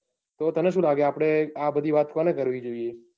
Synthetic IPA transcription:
t̪ot̪əneʃ̬ũlaɡeapɽ̃eabəd̪ʱiʋat̪konekəɾʋid͡ʒoie

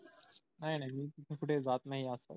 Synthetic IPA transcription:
naɦinaɦjmiːt̪it̪ʰẽkʰuʈʰed͡zat̪naɦiasa̰

